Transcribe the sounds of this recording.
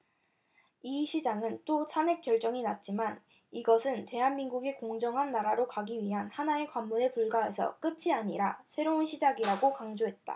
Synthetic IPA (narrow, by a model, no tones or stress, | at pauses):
iɕʰid͡ʑaŋɯnt͈osʰame̞k͈jʌɭt͡ɕ͈ʌŋinat̚t͡ɕ͈iman | iɡʌsʰɯnte̞ɦanminɡuɡe̞koŋd͡ʑʌŋɦanːaɾaɾokaɡiɥiɦanhanae̞kwamːunepuɭɡae̞sʰʌ̰k͈ɯt͡ɕʰiaɲiɾasʰe̞ɾounɕʰid͡ʑaɡiɾaɡokaŋd͡ʑoɦe̞t̚t͈a̰